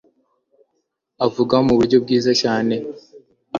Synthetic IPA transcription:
avuɡaomuβuɾɟo̞b̚ɡiːzacaːne̞

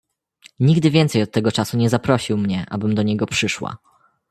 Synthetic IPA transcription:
ɲiɡd̪ɘvʲjɛnt̪sɛjɔt̪ːɛɡɔt͡ʂasuɲɛzapɾɔɕiwmɲɛʔa̰bɘmd̪ɔɲɛɡɔpʂɘʂwa̰

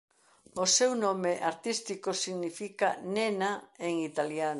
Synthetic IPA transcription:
osewnõmeʔaɾt̪ist̪ikosiɣnifikanenaeŋit̪aljan

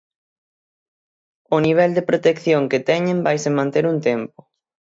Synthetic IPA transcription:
ʊniβ̞ɛld̪ɪpɾot̪ekθjoŋket̪ɛɲɪ̃mbajsemãnt̪eɾuŋt̪ɛmpʊ̥

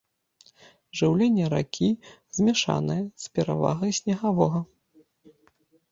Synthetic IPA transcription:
ʐɨwlʲenʲːɛɾa̰kʲʰiz̥ʲmʲɛʂa̰nɨjɛspʲɛɾa̰va̰ɣɐjsʲnʲɐɣavɔɣɐ

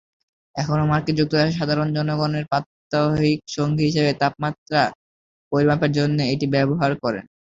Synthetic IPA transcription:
ɛkʰonomaɾked͡ʑuk̚t̪oɾaʃeʃ̬ad̪ʱaɾond͡ʑɔnoɡoneɾpat̪ːaɦikʃoŋɡiɦiʃebet̪ap̚mat̪ɾa | pojɾmapeɾd͡ʑonːeeʈibɛboɦaɾkɔɾḛn

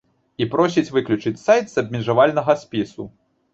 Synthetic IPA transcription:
ipɾɔsʲit͡sʲvɨklʲut͡ʂɨt͡sʲsajt̪z̥ɐbʲmʲiʐavalʲnɐɣɐsʲpʲisu

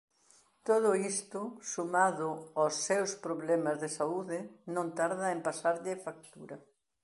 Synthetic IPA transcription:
t̪oðʊist̪ʊsumaðʊasːewspɾoβlɛmɐzðesauðɪnõnt̪aɾðɐempasaɾʎɪfak̚t̪uɾɐ

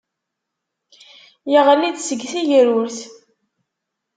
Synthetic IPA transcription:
jiʁlid̪səɡθiʝəɾʊɾθ

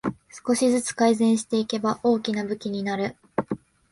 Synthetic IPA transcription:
sɨ̥ko̞ɕizɨt͡sɨ̥kaizẽ̞ɰ̃ɕi̥t̪e̞ike̞baʔo̞ːkʲinabɯ̟kʲiɲ̟inaɾɯ̟

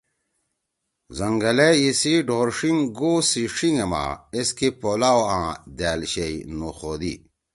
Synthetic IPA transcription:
zɐŋɡɐleisiɖʱoːɾʂiŋɡoːsiʂiŋema̰eskipoːlaːwãːd̪æːlɕeinuxod̪ḭ

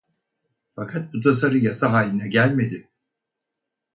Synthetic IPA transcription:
fakʰat̪̚but̪ʰasaɾɯjasaɦaːlʲinɛɟælʲme̞d̪ɪ

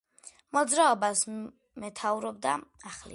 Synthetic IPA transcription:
mɔd̪zɾaɔbas | mɛt̪ʰauɾɔb̚d̪aaχlḭ

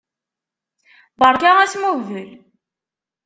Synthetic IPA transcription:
bəɾkææsmuðəl

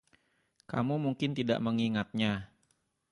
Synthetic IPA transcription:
kamumuŋkɪnt̪ida̰ʔməŋiŋat̪̚ɲa

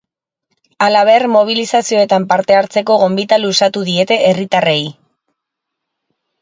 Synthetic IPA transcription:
alaβ̞e̞rmo̞β̞ilisasio̞e̞t̪ampaɾt̪e̞aɾt͡se̞ko̞ɣ̞o̞mbit̪alusat̪uðie̞t̪e̞erit̪arej

